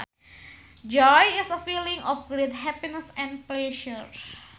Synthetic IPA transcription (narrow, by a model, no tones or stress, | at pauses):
d͡ʒɔjɪsəfilĩŋɔfɡɾet̪̚ɦɛpinəsɛ̃nplɛʃəɹ